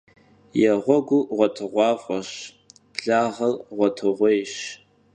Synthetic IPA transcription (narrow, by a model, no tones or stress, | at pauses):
jaʁʷɔɡʷʊʁʷatʰɨʁʷɑfʷʼaʃ | b̥ɮaʁəlʁʷatʰɨʁʷejʃ